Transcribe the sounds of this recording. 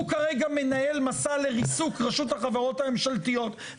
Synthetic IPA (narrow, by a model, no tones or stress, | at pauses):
ukaʁeɡame̞nae̞lmasaleʁisukʁaʃuthaχavaʁo̞tamemʃaltijo̞t